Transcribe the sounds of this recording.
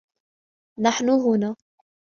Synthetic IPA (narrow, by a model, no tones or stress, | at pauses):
naħnʊɦʊnaː